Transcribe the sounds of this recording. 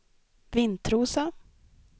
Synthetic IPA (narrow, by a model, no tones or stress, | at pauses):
vɪnt̪ʰɾuːsa